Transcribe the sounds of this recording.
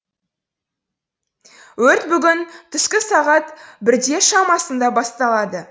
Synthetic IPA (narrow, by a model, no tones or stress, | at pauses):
wɵɾt̪bʏɡʲɪnt̪ʰʏskʲɪsɑʁɑt̪bɪɾd̪e̞ʃɑmɑsənd̪ɑbɑst̪ɑlˠɑd̪ə